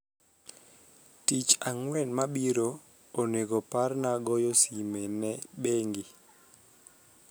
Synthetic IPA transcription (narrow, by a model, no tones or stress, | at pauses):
tit͡ʃaŋwɛnmabiɾo | oneɡoparnaɡɔjosimenɛɓeŋɡi